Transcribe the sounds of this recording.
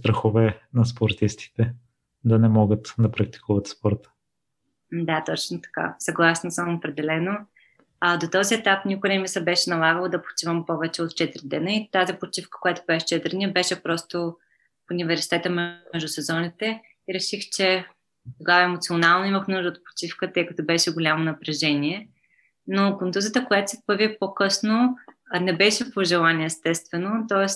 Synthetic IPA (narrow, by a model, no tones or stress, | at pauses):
st̪ɾɐxovɛnɐspoɾt̪ist̪i̥t̪ɛ | d̪ɐnɛmɔɡət̪d̪ɐpɾɐk̚t̪i̥kuvɐt̪spɔɾt̪ə̥ | d̪at̪ɔt͡ʃnot̪ɐ̥ka̰sɐɡlˠasnosəmopɾɛd̪ɛlɛno | ad̪ot̪ɔziɛt̪apnʲikʊjnɛmisəbɛʃɛnɐlˠaɡəlˠod̪ɐpo̥t͡ʃivəmpɔvɛt͡ʃɛot̪t͡ʃɛt̪ɾid̪ɛnəit̪azipot͡ʃifkə̥kojat̪ʊ̥bɛʃɛ̥t͡ʃɛt̪ɾniəbɛʃɛpɾɔst̪o | funivɛɾsi̥t̪ɛt̪əmmɛʒd̪ʊsɛzɔnit̪ɛ | iɾɛʃixt͡ʃɛ | t̪oɡavɐɛmot̪sʲionalˠnoiməxmnuʒd̪əoːt̪̚po̥t͡ʃifkət̪ɤjkɐt̪obɛʃɛɡʊlʲamonɐpɾɛʒɛniɛ | nokont̪uzət̪əkojat̪ʊ̥sɛfpəɾvʲipokɤsno | nɛbɛʃɛpoʒɛlˠanʲiɛːst̪ɛst̪vɛnot̪ɔɛs